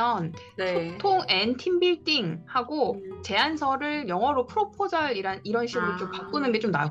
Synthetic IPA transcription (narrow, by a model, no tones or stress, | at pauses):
ʌn | nesʰotʰoŋentʰimbiɭt͈iŋhaɡot͡ɕe̞ansʰʌɾɯɭjʌŋɦʌɾopʰɯɾopʰod͡ʑʌɾiɾaniɾʌnɕʰiɡɯɾot͡ɕ͈ompak͈unɯnɡe̞t͡ɕ͈omna